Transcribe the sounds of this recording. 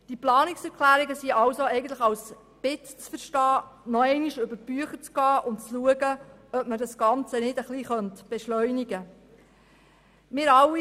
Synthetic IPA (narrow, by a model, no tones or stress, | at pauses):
d̥iplɑːniksɛɾkχlæːɾiɡəsiɑwsoɛɪɡənt̪ləχɑws | b̥ɪtt͡sfəɾʃtɑːnɔɛɪniʃøbəɾb̥yəχəɾt͡sɡ̥ɑːʔʊnt͡sluəɡəœp̚mədɑsɡ̥ɑnt͡sənɪdəχliχœntb̥ɛʃlœʏniɡə | mɪːɾɑwi